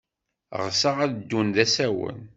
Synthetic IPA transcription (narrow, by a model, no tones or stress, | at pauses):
ʁsaʁæðəd̪ːunðæsæwə̰n